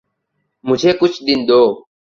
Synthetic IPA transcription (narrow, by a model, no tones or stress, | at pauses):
mʊd͡ʒʱeːkʊt͡ʃʰd̪ɪnd̪oː